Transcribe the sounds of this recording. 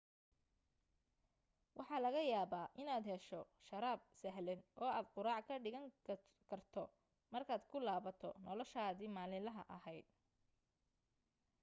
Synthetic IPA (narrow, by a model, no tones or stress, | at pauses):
wʔɑħɑːlɐɣɐjaːβaːʔɪnaːd̪ɦɛʃɔʃɐɾaːb̚sɐɦlɛnʔɔːaːd̪̚qʊɾaːʕkʰɐɖɪɣɐŋ | kʰɐrt̪ʰɔ | mɐrkʰaːd̪kʰʊlaːβɐt̪ʰɔ̰nɔlɔʃaːðiːmaːlɪlɐɦɐʔɐɦɛjd̪̚